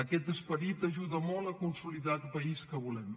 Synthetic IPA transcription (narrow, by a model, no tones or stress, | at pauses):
əkɛt̪əspəɾit̪əʒuðəmɔlˠəkunsuliðat̪pəiskəβulɛm